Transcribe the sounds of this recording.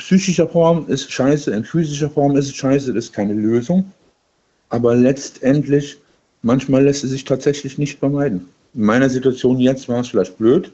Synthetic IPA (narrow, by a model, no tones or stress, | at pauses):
psyːçɪʃɐfɔɐmɪstʃaɪsəɪnfyːzɪʃ̬ɐfɔɐmɪs̬tʃaɪsətɪskʰaɪnəløːzʊŋ | ʔaːbɐlɛt͡stʔɛntʰlɪç | mançmaːlɛstɛs̬z̥ɪçtʰaːtz̥ɛçlɪçnɪçtfɛɐmaɪdn̩ | ɪnmaɪnɐzituat͡sjoːnjɛt͡stv̥aːɐɛsfɪlaɪçt̚b̥løːt